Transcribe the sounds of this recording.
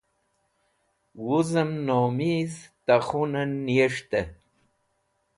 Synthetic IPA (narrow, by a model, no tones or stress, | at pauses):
wuzəmnomizt̪aχunənːiəʂt̪ə